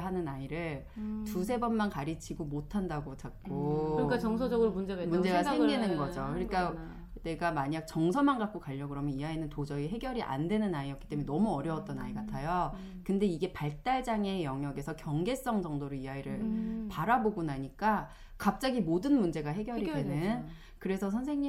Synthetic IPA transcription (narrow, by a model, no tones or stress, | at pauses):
ɦanɯnaiɾɯɭ | tusʰe̞bʌnmankaɾit͡ɕʰiɡomotʰandaɡot͡ɕak̚k͈oɯk͈at͡ɕʌŋsʰod͡ʑʌɡɯɾomund͡ʑeɡamund͡ʑeɡasʰeŋɡinɯnɡʌd͡ʑokɯɲik͈a | ne̞ɡamaɲak̚t͡ɕʌŋsʰʌmanɡak͈̚okaʎːʌɡɯɾɦamjʌniɦainɯntod͡ʑʌiɦe̞ɡjʌɾiʔa̰ndwe̞nɯnaiʌkit͈emennʌmuʌɾjʌwʌt̚t͈ʌna̰iɡatʰajo | kɯnde̞iɡe̞paɭt͈aɭd͡ʑaŋe̞jʌŋjʌɡe̞sʰʌkjʌŋɡe̞s͈ʌŋd͡ʑʌŋdoɾoiɦaiɾɯɭpaɾaboɡunaɲik͈a | kap̚t͡ɕ͈aɡimodɯnmund͡ʑe̞ɡaɦe̞ɡjʌɾidenɯn | kɯɾe̞sʰʌsʰʌnsʰe̞ŋɲi